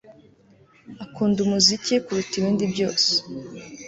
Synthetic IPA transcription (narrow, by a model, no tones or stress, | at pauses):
akuːndumuzicikuɾutiβiːndibɟo̞ːse̥